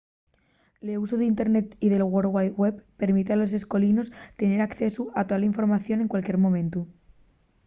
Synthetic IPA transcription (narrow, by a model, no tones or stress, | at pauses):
leus̬oðint̪eɾne̞t̪iðe̞lɣwoɾwajwe̞ppe̞ɾmit̪ealo̞s̬e̞sko̞lino̞st̪e̞ne̞ɾakθe̞suʔat̪oðalaiɱfo̞ɾmaθjo̞ne̞ŋkwalkje̞ɾmomẽ̞nt̪u